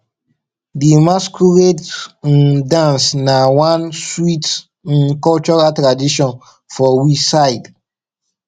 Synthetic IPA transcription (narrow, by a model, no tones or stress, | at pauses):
dimaskuɹed | dãnsnawãnswit | kɔlt͡ʃɔɹaltɹadiʃɔ̃n | fɔwisajd